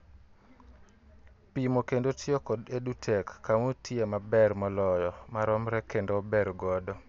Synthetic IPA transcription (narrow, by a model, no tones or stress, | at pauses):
pimokendotʰiokɔdedutʰɛkːamotʰjemabɛrmɔlɔjɔmaɾɔmɾɛkendobɛɾɡɔdɔ